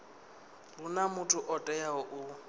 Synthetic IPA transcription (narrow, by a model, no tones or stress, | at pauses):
bʊnamʊtʰʼʊʔɔtʼɛjaɔʔʊ